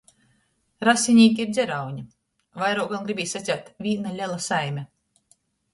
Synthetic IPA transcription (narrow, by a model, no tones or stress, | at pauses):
ɾasʲinʲiːk̬ʲiiɾd̪zʲɛɾawɲi | vajɾɔːkɡanɡɾibʲiːsat̪sʲawt̪vʲiːnalʲɛlˠasajmʲɛ